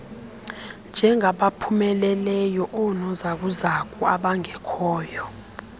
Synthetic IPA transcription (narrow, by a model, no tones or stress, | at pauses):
nd͡ʒʱɛŋʱaɓapʰumɛlɛlɛjɔʔɔnɔzak̬uzak̬ʰʼuaɓaŋɛkʰɔːjɔ